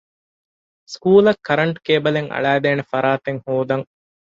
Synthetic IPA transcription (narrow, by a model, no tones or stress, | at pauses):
skuːlɐkʰːɐɾɐɳʈkeːbɐleŋɐ̰ɭæːd̪eːnefɐɾaːt̪eŋhuːd̪ɐŋ